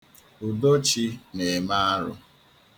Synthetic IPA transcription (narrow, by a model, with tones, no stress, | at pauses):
ʊ˨do˦t͡ʃi˦ne˨ma˦a˦ɾʊ̰˦